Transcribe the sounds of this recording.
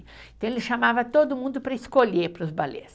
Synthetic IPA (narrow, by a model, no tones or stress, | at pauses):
ẽt̪ɐ̃w̃elɪʃamavɐt̪od̪ʊmũnd̪ʊpɾɐɪskoʎepɾʊzbalḛs